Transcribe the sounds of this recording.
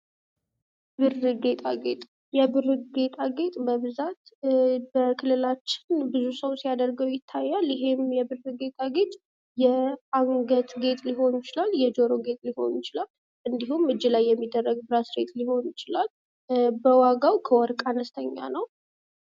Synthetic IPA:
bɨrɨɡe̞t̪ʼaɡe̞t̪ʼ | jɛbɨɾɨɡe̞t̪ʼaɡe̞t̪ʼbəβɨzat̪bəkʰɨlːɨlat͡ʃːɪ̥nbɨzusəwsijad̪əɾɡəwjɪt̪ʰːajːaljɪɦe̞mjɛbɨrːɨɡe̞t̪ʼaɡe̞t̪ʼ | jɛaŋɡət̪ɡe̞t̪ʼliɦo̞njɪt͡ʃɪlaljɛd͡ʒo̞ɾoɡe̞t̪ʼliho̞̰njɪt͡ʃɪlal | ʔɨnd̪ihumɨd͡ʒːilajːɛmːid̪ːərːəɡbɨɾasɾet̪liho̞njɪt͡ʃɪlal | bəwaɡawkʰəwɔɾkʼanəst̪ʰəɲːa̰nəw

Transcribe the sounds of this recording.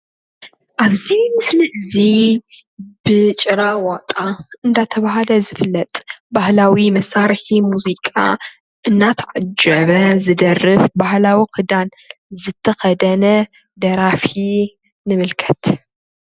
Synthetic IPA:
ʔaβzimɨsliʔɨzi | b̥ɨt͡ʃʼɨɾawat̪ʼaɨnd̪at̪ʰɐβaɦalɐzɨfɨlːɐt̪ʼbahlawimɐsaɾħimuzikʼa̰ | ʔɨnːat̪ʰɐʕad͡ʒɐβɐzɨd̪ɐrɨfbahlawikʰɨd̪an | zɨt̪ʰːɐxɐd̪ɐnɐ | d̪ɐɾafi | nɨmɨlkʰɐ̥t̪

